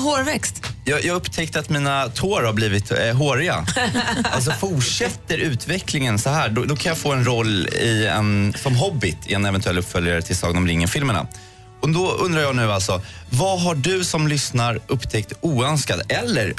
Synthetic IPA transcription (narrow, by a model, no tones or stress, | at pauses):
hoːɾvɛkst̪jɑːjɑːɡɵpːt̪ʰɛk̚t̪əat̪miːnat̪ʰoːɾhaɾbliːvɪt̪ɦoːɾɪa̰ | a̰lt̪s̬ɔfuʂɛt̪ːəɾʉ̟ːt̪vɛklɪŋənsɔɦæːɖɔd̪ɔkʰanjaːfoːɛnɾɔlːɪɛ̰nsɔmɦɔbːɪt̪ʰɪ̰ɛnɛvɛnt̪ʰɵɛlːɵpːfœljaɾət̪ʰɪlsɑːɡənɔmɾɪŋːəfɪlmɛɳa̰ | ɔd̪ɔɵndɾajɑːɡnʉ̟ːalt̪sɔvaɦaɖɵsɔmlʏsnaɾʔɵpːt̪ʰɛk̚t̪uːœnskad̪ɛlːəɾ